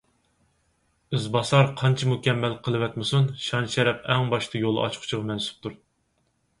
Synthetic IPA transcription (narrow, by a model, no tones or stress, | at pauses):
ɨzbɑsɑɾqʰɑnt͡ʃʰimukʲɛmːɛlqʰəlˠɨvɛt̪mɪsunʃɑnʃɛɾɛpɛŋbɑʃt̪ʰɨjol̰ˠɑ̰t͡ʃqʰʊ̥t͡ʃʰiʁɑmɛnsu̥p̚t̪ʰuɾ